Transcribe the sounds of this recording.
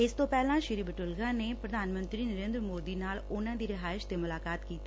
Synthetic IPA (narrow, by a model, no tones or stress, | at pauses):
ɪst̪õpɛːlãːʃɪɾiːbəʈʊlɡãːneːpɾəd̪ʱaːnmə̃nt̪ɾiːnəɾeːnd̪ɾəmoːd̪iːnaːlʊnãːd̪iːɾɪɦaːɪʃt̪eːmʊlaːkaːt̪kiːt̪iː